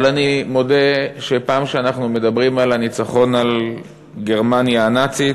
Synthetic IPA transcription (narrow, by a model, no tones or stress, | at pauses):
lanimo̞deʃe̞paːmʃeanaχnume̞d̪abʁimalanit͡saχo̞nal | ɡe̞ʁmanjanat͡si